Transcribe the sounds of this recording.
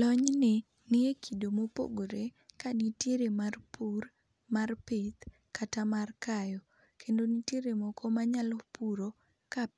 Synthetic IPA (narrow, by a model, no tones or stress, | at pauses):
lɔɲnɪ | nɪekʰidomopo̰ɡoɾe | kanitjeɾemarpur | marpɪt̪ | katamarkajɔ | kʰendonitjeɾemɔkɔmaɲalɔpuɾo | ka